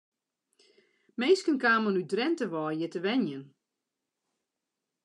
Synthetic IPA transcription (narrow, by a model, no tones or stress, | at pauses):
meːskənkaːmənydrɛntəʋɔːjətəʋɛnjən